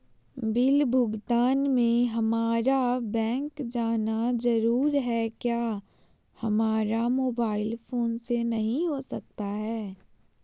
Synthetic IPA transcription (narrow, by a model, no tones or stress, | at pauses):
bɪlbʱʊɡt̪aːnmẽɦɐmaːɾabɛ̃ːŋkd͡ʒaːnazɐɾuːɾɦɛkjaː | hɐmaːɾamoːbaːɪlfʰoːnsenɐɦĩɦosɐk̚t̪aɦɛː